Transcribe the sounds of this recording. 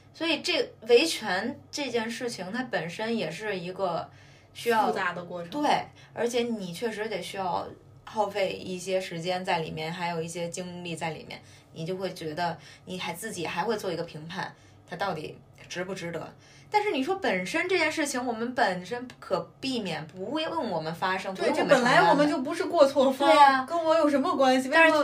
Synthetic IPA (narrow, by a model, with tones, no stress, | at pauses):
swɔ˧˥i˨˩ʈ͡ʂɤ˥˩we˧˥ɪt͡ɕʰɥɛ˧˥nʈ͡ʂɤ˥˧t͡ɕjɛ˥˧nʂɻ̩˥˩t͡ɕʰi˨˩ŋt̪ʰa˥pə˨˩nʂə˥njɛ˨˩ʂɻ̩˥˩i˧˥ɡə˥˧ | ɕy˥jɑ˥˧ʊ˧t̪a˥˩d̪ə˩kwɔ˥˧ʈ͡ʂʰt̪we˥˩ɪ | ə̰˞˧˥t͡ɕʰjɛ˧˥ni˨˩t͡ɕʰɥɛ˥˩ʂɻ̩˧˥j̪ɛ˨˩ɕy˥jɑ˥˧ʊ | xɑ˥˧ʊfe˥˧ɪḭ˥˩ɕjɛ˥ʂɻ̩˧˥t͡ɕjɛ˥nt͡sa˥˩ɪlḭ˨˩mjɛ˥˩nxa˧˥ɪjo˨˩ʊi˥˩ɕjɛ˥t͡ɕi˥ŋli˥˧t͡sa˥˩ɪlḭ˨˩mjɛ̰˥˩n | ni˨˩t͡ɕjo˥˧ʊxwe˥˩ɪt͡ɕɥɛ˧˥d̪ə˧ni˨˩xa˧˥ɪt͡sɹ̩˥˩t͡ɕi˨˩xa˧˥ɪxwe˧t͡swɔ˥˩i˧˥ɡə˧˩pʰi˧˥ŋpʰa̰˥˩n | t̪ʰa˥t̪ɑ˥˩ʊt̪ḭ˨˩˦ | ʈ͡ʂɻ̩˧˥pu˧˩ʈ͡ʂɻ̩˥t̪ɤ̰˧˥ | t̪a˥˧nʂɻ̩˥˩ni˨˩ʂ̬wɔ˥pə˨˩nʂə˥nʈ͡ʂɤ˥˧t͡ɕjɛ˥˧nʂɻ̩˥˩t͡ɕʰi˧˩ŋwɔ˨˩mə˦npə˨˩nʂə˥npu˥˩kʰɤ˨˩pi˥˩mjɛ˨˩npu˧˥xwe˥˧ɪwə˥˩nwɔ˨˩mə˦nfa˥ʂɤ˥ŋt̪ʰə˥˩pə˨˩la˧˥ɪwɔ˨˩mə˦nt͡ɕjo˥˩ʊp̬u˧˥ʂɻ̩˥˧kwɔ˥˧t͡sʰwɔ˥˧e˥˩kə˥nwɔ˧˥jo˨˩ʊʂ̬ə˧˥nmə˧kwa˥nɕi˨˩˥